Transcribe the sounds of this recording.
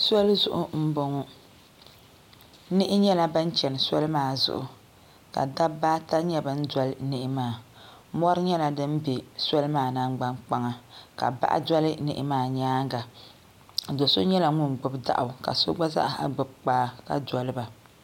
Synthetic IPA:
sɔ˦lzʊ̰˨ʔʊ˦m̩˦bo˦ŋɔ˦ | nɪ˦ʔɪ˦ɲɛ˦la˦ba˦n˦t͡ʃɛ˨n˨sɔ˦lmaː˦˨zʊ̰˨ʔʊ˨ | ka̰˨da˦bːaː˦ta˦ɲɛ˦bɨ˨n̩˦dʷɔ˦lnɪ˦ʔɪ˦maː˦˨ | mɔ˦ɾɨ˦ɲɛ˦la˨dɨ˦n˦be˨sɔ˦lɨ˦maː˦˨na˦ŋ͡mɡ͡ba˦nk͡pa˦ŋa˨ka̰˨ba̰˦ʔa̰˦dɔ˦lɨ˦nɨ˨ʔɪ̰˦maː˦˨ɲaː˦ŋ˦ɡa˨ | do˨so˦ɲɛ˦la˨ŋʊ˦nɡ͡bʊ˦bda̰˨ʔʊ˨ka̰˨so̰˦ɡ͡ba˦za̰˦ʔha̰˨ɡ͡bʊ˨b̚k͡paː˦ka̰˨dɔ˨lɨ˦ba˨

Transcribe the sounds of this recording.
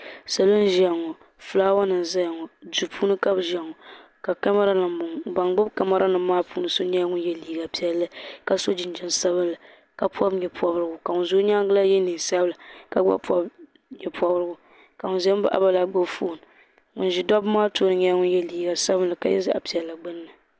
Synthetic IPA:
sa˨lo˦n˦ʒa˨ŋɔ˨ | fɨ˨laː˦wɔ˦nɨ˨n˨za˦jŋɔ˨du˨pʰuː˦nɨ˦ka˦bʒa˨ŋɔ˨ | ka˨ka˦ma˦ɾa˦nɨ˨ʊ˨ŋba˨ŋɡ͡bɨ˦bka˦ma˦ɾa˦nɨ˨mː˦aː˦puː˦nɨ˦so˦ɲɛ˦ŋʊ˦njɛ˨liː˨ɡa˨pi˦ɛ˦lːɨ˦ka˦so˦d͡ʒɪ˨n˦d͡ʒɛ˨nsa˦βɨ˦nla˨ | ka˨pʰɔ˦bɲɛ˨pʰɔ˦bɾɨ˦ɡʊ˨ka˨ŋʊ˨nzo˦ɲa˦ŋ˦ɡɨ˦la˦jɛ˦ni˨sa˦bla˨ka˨ɡ͡ba̰˦pɔ˦b | ɲɛ˨pʰɔ˦bɾɨ˦ɡʊ˦ | ka˨ŋʊ˨nzɛ˦m˦ba˦ʔa̰˦ba˦la˦ɡ͡bo˦fo˦˨n˨ | ŋʊ̰˨nʒi˦dɔ˦bmaː˦to˦ɾɨ˨˦ɲɛ˦ŋʊ˦n˦jɛ˨liː˨ɡa˨sa˦bɨ˦la˨ka̰˦jɛ̰˦za˦ʔa̰˨pi˨ɛ˨lːa˨ɡ͡bɨ˦nːɨ˨

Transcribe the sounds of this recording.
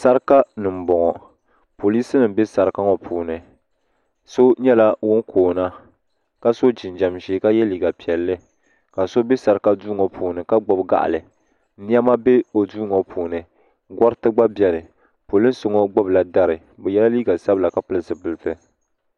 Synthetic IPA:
sa˦ɾɨ˦ka˦nɨ˨m̩˨bɔ˨ŋɔ˨ | po˨li˦sɨ˦nɨ˨m˦be˦sa˨ɾɨ˦ka˦ŋɔ˨pʰuː˨nɨ˨ | so˦ɲɛ˦la˦wʊ˦nkʰoː˨na˦ | ka˦so˦d͡ʒɪ˨nd͡ʒa˨mʒeː˨˦ka˦jɛ˦liː˨˦ɡa˨pi˨ɛ˨lːɨ˦ | ka˨so˦be˦sa˨ɾɨ˦ka˦duː˦ŋɔ˨pʰuː˨nɨ˨ka˦ɡ͡bɔ˨bɡa̰˦˨ʔlɨ˨˦ | ni˦a˦ma˦be˦o˨duː˦ŋɔ˨pʰuː˨nɨ˨ | ɡɔ˦ɾɨ˦tɨ˦ɡ͡ba˦bjɛ˨lɨ˨ | po˨lɨ˦n˦so˨ŋɔ˦ɡ͡bɔ˦bla˨da˦ɾɨ˨ | bɛ˨jɛ˦la˦liː˦ɡa˨sa˦bɨ˦la˨ka˦pɨ˦lɨ˦sɨ˨bɨ˨lɨ˨tɨ˦

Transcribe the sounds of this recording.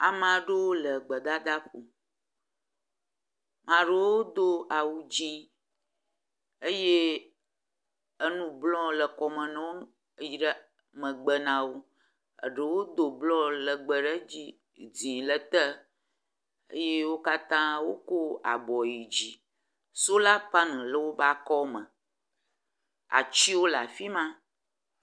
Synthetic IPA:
a̰˨m˦ã˨ɖe˦wo˦lə˨ɡ͡bə˨d̪a˦d̪a˦ɸo˨ | mã˨ɖe˦wo˦d̪o˦a˨wu˦d͡ʑi˦ | ə˦je˦ | ə˦nũ˦blɔ̃˦lə˨kɔ˨mə̃˨nɛ̃˦wo˦˨ | ji˨ɖə˦ | mə̃˨ɡ͡bə˨nã˨wo˦ | ə̰˨ɖə˨wo˦d̪o˨blɔ̃˦lə˨ɡ͡bə˨ɖə˦d͡ʑi˦˨ | d͡zĩ˨lə˦t̪ə˦ | ə̰˦je˦wo˦ka˦t̪ã˦wo̰˦ko˦a̰˨bɔ˨ji˨d͡ʑi˦ | so˦la˦pa˦nɛ̃˨lə˦wo˦ba˦kɔ˦mə̃˨ | a̰˨t͡ɕi˦wo˦la˨fi˦mã˦

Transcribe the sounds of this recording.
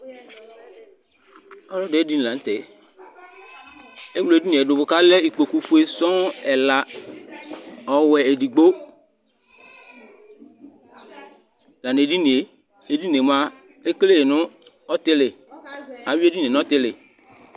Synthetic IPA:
ɔ˦lɔ˦de˨˦e˦di˦n˨lã˨n̩˦t̪ɛ˨ | e˦wlo˨e˨di˦nĩ˨dʊ˨bʊ˨ka˦lɛ˦i˨k͡po˨ku˦fu˦e˦sɔ̃˦ɛ˨la˨ | ɔ˨wɛ˨e˨di˨ɡ͡bo˦ | la˨ne˨e˨di˦ni˨e˨ | e˦di˦ne˨mã˦ | e˦kle˦je˨nʊ̃˦ | ɔ˦t̪ɪ˦lɪ˨ | a˨˦we˦di˦ne˨n˨˦ɔ˦t̪ɪ˦lɪ˨

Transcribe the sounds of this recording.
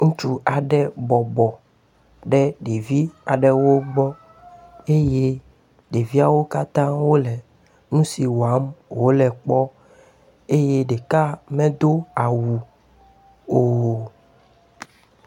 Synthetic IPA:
ŋũ˦t͡ʃu˦a˨ɖɛ˦bɔ˨bɔ˨ | ɖɛ˦ɖe˨vi˦a˨ɖɛ˨wo˦ɡ͡bɔ˦ | e˦je˦ | ɖe˨vi˦a˨wo˦ka˦t̪ã˦wo˦lɛ˨ | ŋũ˦si˨wa˦mwo˦lɛ˨k͡pɔ˦ | e˦je˦ɖe˨ka˦mɛ̃˦d̪o˦a˨wu˨ | o˦˨

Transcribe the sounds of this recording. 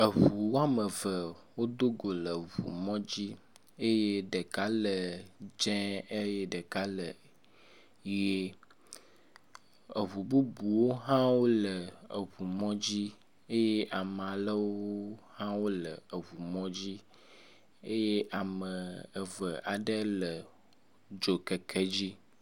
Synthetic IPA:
ə˨ɦu˨wo˦a˦mə˨və˨wo˦d̪o˦ɡo˨lə˨βṵ˨mɔ̃˦d͡ʑi˦ | e˦je˦ɖə˨ka˦lə˨d͡ʒɛ̃˦e˦je˦ɖə˨ka˦lə˨ | je˦ | ə˨βu˨bu˦bu˨wo˦ɦã˦wo˦lə˨ə˨ɦu˨mɔ̃˦d͡ʑi˦ | e˦je˦ʔa˨m˨a˨lə˦wo˦hã˦wo˦lə˨ə˨βu˨mɔ̃˦d͡ʑi˦ | e˦je˦ʔa˨mə̃˨ə˨və˨ʔa˨ɖə˦lə˨ | d͡ʒo˨kə˨kʰe˦d͡ʑi˦

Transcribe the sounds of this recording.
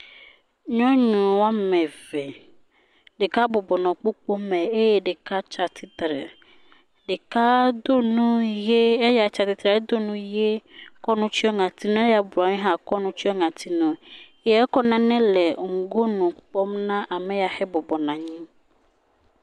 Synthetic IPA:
ɲɔ̃˦ɲũ˨wa˦mɛ̃˨vɛ˨ | ɖe˨ka˦bo˨bɔ˨nɔ̃˨k͡po˦k͡po˦mɛ̃˨e˦je˨ɖe˨ka˦t͡ʃa˨t̪ʰi˦t̪ɾɛ˨ | ɖe˨ka˦d̪o˦nũ˦je˦e˦ja˨˦t͡ʃa˨t̪i˨t̪ɾɛ˨˦d̪o˦nũ˦je˦kɔ˦nũ˦t͡ʃi˦ɔ˦ŋã˨t̪i˦nũ˦e˦ja˨ba˨˦ɲĩ˦ɦã˦kɔ˦nũ˦t͡ɕi˦ɔ˦ŋã˨t̪ʰi˦nũ˨˦ | e˨˦ɛ˦kɔ˦nã˨nɛ̃˦lɛ˨ŋ̩˨ɡo˦nũ˨k͡pɔ˦mnã˦ʔa˨mɛ̃˨ja˨xɛ˦bɔ˨bɔ˨nã˨ɲĩ˦

